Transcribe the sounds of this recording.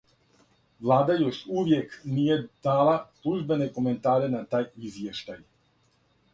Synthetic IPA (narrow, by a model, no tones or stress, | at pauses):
ʋlˠaːd̪ajo̞ʃuʋje̞knije̞d̪̥aːlaslˠuʒbe̞ne̞ko̞me̞nt̪aːɾe̞nat̪aːjizje̞ʃt̪aj